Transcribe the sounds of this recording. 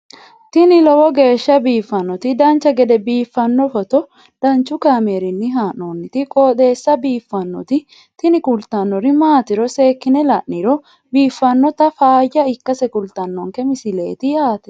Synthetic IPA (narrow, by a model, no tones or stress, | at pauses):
t̪ɪnɪlɔwɔɡe̞ːʃːɐbiːfːɐnːɔt̪ɪd̪ɐnt͡ʃːɐɡɛd̪ɛbiːfːɐnːɔfɔt̪ɔ | d̪̥ɐnt͡ʃːʊkaːmeːɾɪnːɪɦaːnoːnːɪt̪ɪkʼoːd̪e̞ːsːɐbiːfːɐnːɔ̰t̪ɪ | t̪ɪnɪkʊlt̪ɐnːɔɾɪmaːt̪ɪɾɔse̞ːkːɪnɛlɐʔːɪɾɔ | biːfːɐnːɔt̪ɐfaːjːɐɪkːɐsɛkʊlt̪ɐnːɔŋkɛmɪsɪle̞̰ːt̪ɪjaːt̪ɛ̥